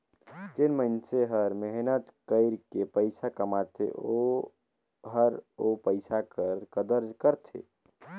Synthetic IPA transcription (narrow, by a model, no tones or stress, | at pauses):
d͡ʒenməɪnseɦəɾmeɦnət̪kəɪɾkepəɪsakəmat̪ʰḛo | ɦəɾopəɪsakəɾkəd̪əɾd͡ʒkəɾt̪ʰḛ